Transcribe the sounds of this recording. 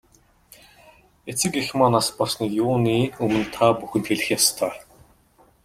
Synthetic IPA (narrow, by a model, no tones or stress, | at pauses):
et͡sɘ̆kixmanaspɔrsniːjʊːniːɵmɘ̆nt̪ʰaːpuxɘ̆nt̪xeɮɘ̆xjast̪ʰœː